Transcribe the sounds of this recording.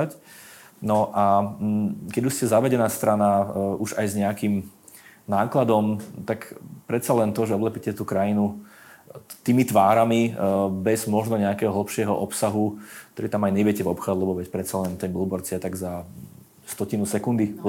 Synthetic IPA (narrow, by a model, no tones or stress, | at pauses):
acnɔʔa | kɛɟuʃscɛzaʋɛɟɛnaːst̪ɾanauʒajzɲɛakim | naːklad̪ɔmt̪akpɾɛt̪t͡salɛnt̪ɔʒɛɔblɛpicɛt̪uːkɾajinu | t̪iːmit̪ʋaːɾamibɛzmɔʒnɔɲɛakɛːɦɔɦl̩pʃɪɛɦɔ̰ʔɔpsaɦukt̪ɔɾiːt̪amajɲɛʋɪɛcɛvɔpxaːd̪lˠɛbɔʋɛcpɾɛt̪t͡salɛnt̪ɛnbulbɔɾt͡sɪat̪aɡza | st̪ɔcinusɛkund̪i